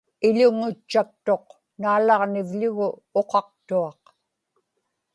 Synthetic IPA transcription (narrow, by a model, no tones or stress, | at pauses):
ɪʎʊŋʊt͡ʃːak̚t̪o̞q | naːlɑʁnɪvʎʊɣʊoqɑq̚t̪uɑq